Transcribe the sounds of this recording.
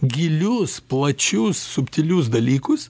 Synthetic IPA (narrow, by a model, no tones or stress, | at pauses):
ɡʲɪlʲʊsplˠɐt͡ʃʲʊsːʊpʲt̪ʲɪlʲʊsd̪ɐlʲiːkʊs